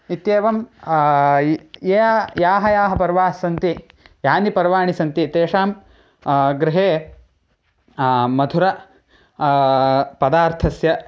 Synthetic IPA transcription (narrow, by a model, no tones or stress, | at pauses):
it̪jeːʋɐm | jeːɐjaːɦɐjaːɦɐpɐɾʋaːsːɐnt̪i | jaːnipɐɾʋaːɳisɐnt̪it̪eːʂaːm | ɡɾɪɦeː | mɐd̪ʱuɾɐ | pɐd̪aːɾt̪ʰɐsjɐ